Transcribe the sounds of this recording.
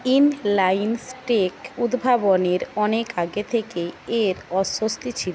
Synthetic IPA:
inlajnsʈekud̪bʱaboneɾɔnekaɡet̪ʰekeeɾɔʃost̪ʰit͡ɕʰil

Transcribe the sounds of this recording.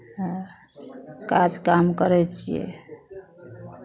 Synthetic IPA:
ɦã | kad͡ʒkamkəɾɛt͡ʃʰijɛ̰

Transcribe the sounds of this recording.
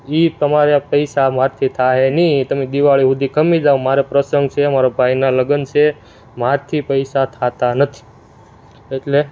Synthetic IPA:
it̪əmaɾjapəjsamaɾt̪ʰit̪ʰaɦenit̪əmed̪iʋaɭiɦud̪ʱikʰəmid͡ʒaʋomaɾepɾəsəŋɡ̚t͡ʃʰeəmaɾabʱajnaləɡənt͡ʃʰe | maɾt̪ʰipəjsat̪ʰat̪anət̪ʰi̥ | eʈle

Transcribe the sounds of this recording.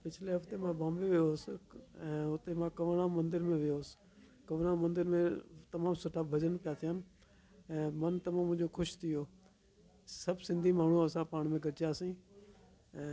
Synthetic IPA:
pɪt͡ɕʰɪleɦɐft̪emãbãːmbeʋɪjosɪɛ̃ːʊt̪emãkɐʋɽ̃ãmɐ̃nd̪ɪɾmẽʋɪjoːsɪ̥ | kɐʋɽ̃amɐ̃nd̪ɪɾmẽt̪ɐmaːmsʊʈʰabʱɐd͡ʑənpɪjat̪ʰijaːnɪ̆ | ɛ̃ːmɐnt̪ɐmãmʊ̃ɦɪ̃d͡ʑokʰʊʃt̪ʰɪjoː | sɐbʱsɪ̃nd̪ʱimaːɳ̤uɐsãpaːɽ̃mẽɡʱɐɾt͡ʃjasĩː | ɛ̃ː

